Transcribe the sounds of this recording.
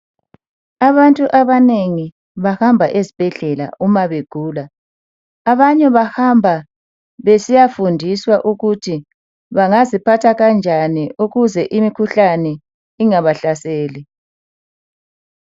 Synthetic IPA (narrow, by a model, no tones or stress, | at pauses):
aβantʼuʔaβaneŋi | βahambʱaʔezib̥ʱɛɮɛla̰umaβeɡ̥ʱuːlaː | βaɲɛβahambʱa | βesijafundʱiswaʔuɣutʰi | βaŋazipʰatʰaɣand͡ʒʱaniʔuɣuzɛʔimikʰuɬanɛ | iŋaβaɬaseːli